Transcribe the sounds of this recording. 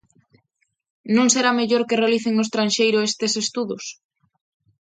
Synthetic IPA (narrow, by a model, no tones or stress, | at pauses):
nõŋseɾameʎoɾkerealiθeŋost̪ɾanʃejɾʊest̪esest̪uðʊs